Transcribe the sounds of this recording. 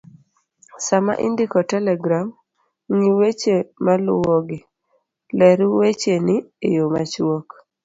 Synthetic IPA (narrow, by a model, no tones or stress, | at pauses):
sama̰ʔḭndikɔtɛlɛɡɾam | ŋiwet͡ʃemalʊwɔɡɪ | lɛɾuwet͡ʃenɪejoma̰t͡ʃwok